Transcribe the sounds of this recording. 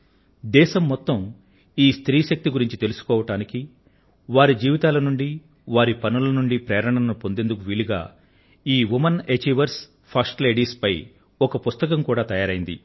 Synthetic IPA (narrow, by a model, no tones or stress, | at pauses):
d̪ɛːʃɐmːɔt̪ːɐm | iːst̪ɾiːʃɐk̚t̪iɡuɾiɲt͡ʃit̪e̞lusu̥kɔːʋɐʈaːniki | ʋaːɾid͡ʒiːʋit̪aːlɐnuɳɖi | ʋaːɾipɐnulɐnuɳɖipɾɛːɾɐɳɐnɐnupo̞nd̪e̞nd̪uk̬uʋiɭiɡa̰ː | iːʋumɐnet͡ʃiʋɐɾs | pʰɐsʈle̞ːɖiːspɐj | ɔkɐpust̪ɐkɐmkuːɽaːt̪ɐjaːɾɐjind̪ḭ